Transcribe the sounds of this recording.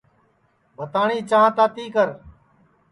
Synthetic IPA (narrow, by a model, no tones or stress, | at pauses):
bʱət̪aːɳiːt͡ʃãːt̪aːt̪iːkəɾ